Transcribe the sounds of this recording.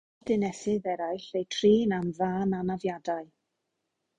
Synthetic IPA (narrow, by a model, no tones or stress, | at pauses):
dɪnɛsɪðɛɾajɬejtʰriːnanvaːnanavjadaɨ